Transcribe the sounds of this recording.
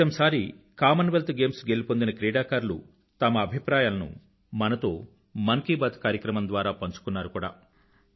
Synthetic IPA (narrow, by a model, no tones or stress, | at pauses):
ɐmsaːɾi | kaːmɐnʋelt̪ɡeːmsɡelipond̪inɐkɾiːɽaːkaːɾlṵ | t̪ɐmɐːbʱipɾaːjaːlɐnṵ | mɐnɐt̪o̞ː | mɐŋkiːbat̪kaːɾjɐkɾɐmɐnd̪ʋaːɾaːpɐɲt͡ʃu̥kunːaːɾukuːɽa̰ː